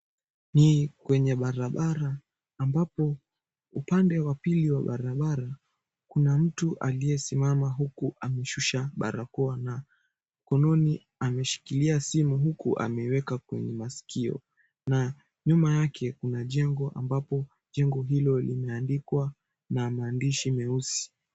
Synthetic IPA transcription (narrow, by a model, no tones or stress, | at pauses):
nikwɛɲɛɓaɾaɓaɾaː | mbapɔ | upandɛwapiliwaɓaɾaɓaɾa | kunam̩tuʔalijɛsimamaɦukuʔamɛʃuʃaɓa̰ɾakɔana | m̩kɔnɔni | amɛʃi̥kiliasimuɦukṵʔa̰mɛwɛkakwɛ̰ɲɛmasi̥kiɔ̰ | na | ɲumajakʰɛkunaʄɛŋɡɔʔa̰mbapɔ | ʄɛŋɡɔɦilɔlimɛandikwa | namaːndiʃimɛusi̥